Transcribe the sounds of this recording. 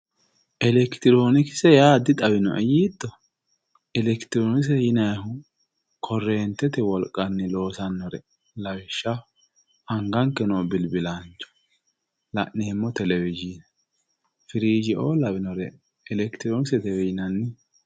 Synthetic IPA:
ʔɛlɛkt̪ɪɾo̞ːnɪkɪ̥sɛjaːd̪ɪt̪ʼɐwɪnɔ̰ʔɛ̰jiːd̪ːɔ | ɛlɛkt̪ɪɾoːnɪs̬ɛjɪnɐjhʊ | kʰɔrːeːnt̪ːɛt̪ɛwɔlkʼːɐnːɪlo̞ːsɐnːɔɾɛ̰ | lɐwɪʃːɐ | ɐŋɡɐŋkːɛnobɪlbɪlɐnt͡ʃːɔ̥ | lɐ̰ʔnːeːmːɔt̪ɛlɛwɪd͡ʒinɛ | fɪɾiːd͡ʒɪʔoːlɐβɪnɔɾɛ | ɛlɛkt̪ɪɾoːnɪsɛt̪ɛwɛjɪnɐnːɪ

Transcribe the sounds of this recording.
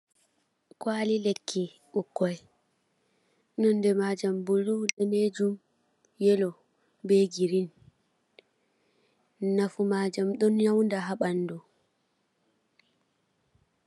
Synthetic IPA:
kwaːlilekʰːi | ɓukːɔj | nɔndɛmad͡ʒambuluɗɛned͡ʒum | jɛlɔ | bɛɡiɾin | nafumad͡ʒamɗɔnjawndaɦaɓanːdɔ

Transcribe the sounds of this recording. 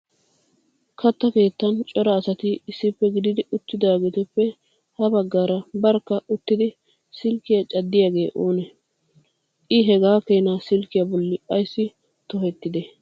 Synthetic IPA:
kʰɐt̪ːɐke̞ːt̪ːɐnt͡ʃʼɔɾɐːsɐt̪ɪɪsːɪpːɛɡɪd̪ɪd̪ɪʔʊt̪ːɪd̪aːɡet̪ʊpːɛ | hɐbɐɡːaːɾɐbɐɾkːɐʊt̪ːɪd̪ɪ | sɪlkːɪjat͡ʃʼɐd̪ːɪjaːɡe̞ːʔoːnɛ | ʔɪɦɛɡaːkejnasɪlkɪjabɔlːɪʔɐjsːɪ | t̪ɔhɛt̪ːɪd̪ɛ

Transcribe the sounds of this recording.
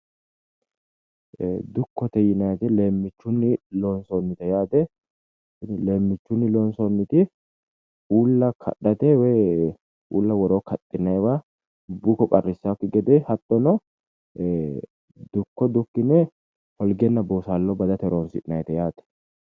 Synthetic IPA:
d̪ʊkːɔt̪ɛjɪnɐjt̪ɛleːmːɪt͡ʃːʊnːɪloːnsonːɪt̪ɛjaːt̪ɛ | nle̞ːmːɪt͡ʃːʊnːɪloːnsɔnːɪt̪ɪ | uːlːɐkʰɐ̰ɗɐt̪ɛwɛ | ʔuːlːɐwɔɾokʰɐt̪ʼːɪnːɐjwa | bukːɔkʼɐrːɪsːakːɪɡɛd̪ɛhɐt̪ʼːɔnɔ | d̪ʊkːɔd̪ʊkːɪnɛ | hɔlɡɛnːɐboːsaːlːɔbɐd̪ɐt̪ɛɾoːnsɪ̰ʔnɐjt̪ɛjaːt̪ɛ̥

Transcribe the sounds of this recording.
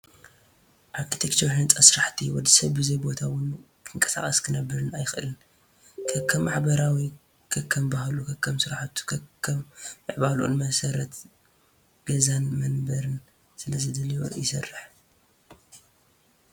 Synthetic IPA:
ʔaɾkʰit̪ʰekt͡ʃʰoɾhɨnt͡sʼɐsɨɾaħt̪ʰiwɔd̪isɐβbɨzɐjbo̞t̪ʰawʊn | kʰɨŋkʼɐ̥sa̰χʼɐskʰɨnɐbːɨɾɨnajxʔɨlɨn | kʰɐkʰːɐmːaħbɐɾawi | kʰɐkʰːɐmbahlukʰɐkʰːɐmsɨɾaħt̪ʰu̥kʰːɐmːɨʕbalʔo̰nmɐsɐɾɐt̪ | ɡ̥ɐzanmɐnbɐɾɨn | sɨlɐzɨd̪ɐlijo̰jɪsɐrːɨħ

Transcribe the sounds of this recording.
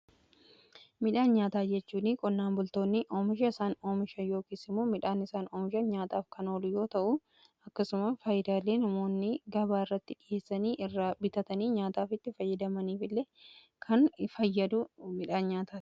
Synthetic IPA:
mɪᶑaːnɲaːt̪aːd͡ʒɛt͡ʃːuːnɪkʼɔnːaːnbʊlt̪o̞ːnːɪʔoːmɪʃɐɪsaːno̞ːmɪʃɐjo̞ːkisɪmoːmɪᶑaːnɪsaːnoːmɪʃɐɲaːt̪aːfkɐnoːlʊjo̞ːt̪ɐʔʊ | ɐkːɐsʊmɐfɐjɪd̪aːlːe̞ːnɐmo̞ːnːɪɡɐbaːɪrːɐt̪ːɪᶑɪjʔe̞ːsːɐniːʔɪrːaːbɪt̪ɐt̪ɐniːɲaːt̪aːfɪt̪ːɪfɐjːɐd̪ɐmɐniːfɪlːeː | kʰɐnfɐjːɐd̪ʊmɪᶑaːnɲaːt̪aːt̪

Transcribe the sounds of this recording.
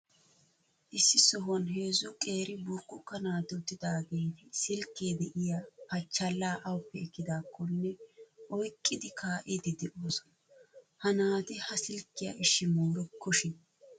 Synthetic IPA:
ʔɪsːɪsɔɦɔnɦe̞ːzʊkʼe̞ːɾɪbʊɾkːʊkːɐnaːt̪ɪʊt̪ːɪd̪aːɡejt̪ɪsɪlkːeːd̪ɛʔɪjapɐt͡ʃːɐlːaːʔɐwʊpːɛɛkːɪd̪aːkːɔnːɛʔɔjkʼːɪd̪ɪkʰaːʔɪd̪ɪd̪ɛʔoːsɔ̥ | hɐnaːt̪ɪhɐsɪlkːɪjɐ̰ʔɪʃːɪmuːɾɛkʰːɔʃɪ

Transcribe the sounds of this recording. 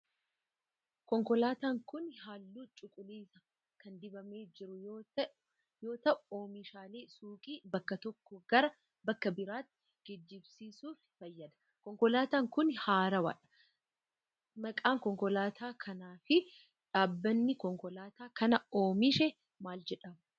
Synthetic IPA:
kɔŋkɔlaːt̪aːŋkʊnhaːlːuːt͡ʃʼʊkʼʊliːsɐ | kɐnd̪ɪbɐme̞ːd͡ʒɪɾʊjoːt̪ | jo̞ːt̪ɐʔʊo̞ːmɪʃaːle̞ːsuːkʼiːbɐkːɐt̪ɔkːɔɡ̥ɐɾɐ | bɐkːɐbɪɾaːt̪ːɪ̥ | ɡ̥ɪd͡ʒːɪbsiːsuːffɐjːɐd̪ɐ̥ | kɔŋkɔlaːt̪aːŋkʊnhaːɾɐwɐ̰ᶑɐ̥ | mɐkʼaːŋkɔŋkɔlaːt̪ʰaːkʰɐnaːfɪ | ᶑaːbːɐnːɪkɔŋkɔlaːt̪aːkɐnɐo̞ːmɪʃɛ | maːld͡ʒɛᶑɐm

